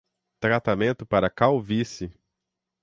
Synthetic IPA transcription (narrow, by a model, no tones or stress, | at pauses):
t̪ɾat̪amẽnt̪ʊpaɾɐkawvisɪ